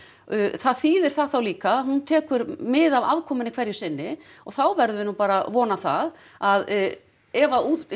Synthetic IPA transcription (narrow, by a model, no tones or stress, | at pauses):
θaðθiːðɪɾ̥θaðθawliːkaɦunt̪ʰɛːkʏɾmɪðava̰vkʰɔːmʏnɪkʰvɛɾjʏ̥sɪnːɪ | ɔɣθawvɛɾðʏvɪnupaːɾavɔːnaθa̰ð | að | ɛvau